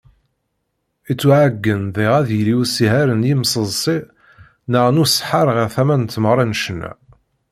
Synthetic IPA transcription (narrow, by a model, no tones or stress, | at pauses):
it͡sːuʕaɡːənðiʁæðjliwsiɦæɾənjimsˤəzˤsˤi | nəʁnusħaɾˤʁəʁθæmænt̪ːməʁɾˤɑnʃənːæ̰